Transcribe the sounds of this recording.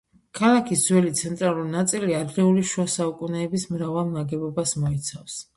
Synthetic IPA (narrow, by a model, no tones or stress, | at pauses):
kʰalˠakʰisd̪zwɛlit̪sʰɛnt̪ʼɾalˠuɾinat̪sʼiliad̪ɾɛuliʃuasaukʼunɛːbismɾavalˠnaɡɛbɔbasmɔit̪sʰafs